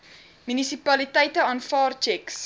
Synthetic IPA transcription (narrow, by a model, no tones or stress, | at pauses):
mynisipɐlitəjtəɑːnfɑːrt͡ʃɛks